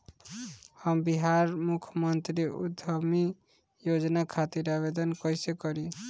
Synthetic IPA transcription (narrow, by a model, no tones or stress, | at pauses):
həmbiɦaɾmukʰmʌnt̪ɾiṵd̪ʱəmi | jod͡ʒnakʰat̪iɾabed̪ənkʌjsekɔɾi